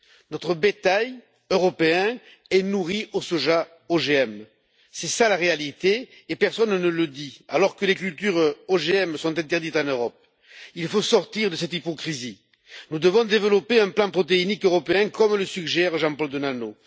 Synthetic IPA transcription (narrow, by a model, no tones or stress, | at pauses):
nɔt̪χəbet̪aj | øʁɔpeɛ̃ | ɛnuʁiʔosɔʒa | oʒeɛm | sɛsalaʁealit̪eː | pɛʁsɔnnələd̪ia̰lɔʁkəlekylt̪yʁoʒeɛmsɔ̃t̪ɛ̃nt̪ɛʁd̪it̪ɑ̃nøʁɔp̚ | ilfosɔʁt̪iʁd̪əsɛt̪ipɔkχizi | nud̪əvɔ̃d̪evəlɔpeɛ̃plɑ̃pχɔt̪einikøʁɔpeɛ̃kɔmləsykʒɛʁʒɑ̃pɔld̪ənano